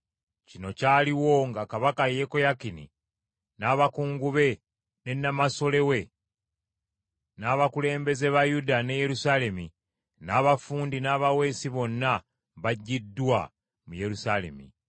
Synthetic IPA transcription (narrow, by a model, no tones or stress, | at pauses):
cino̞caːliwo̞ŋɡakaβakaje̞ko̞jakinḭ | naːβakuːŋɡuβe̞ | ne̞nːamaso̞le̞we̞ | naːβakule̞ːmbe̞ze̞βajudane̞je̞ɾusale̞mi | naːβafuːndinaːβawe̞ːsiβo̞nːa | βaɟːidːwa | muje̞ɾusale̞̰mḭ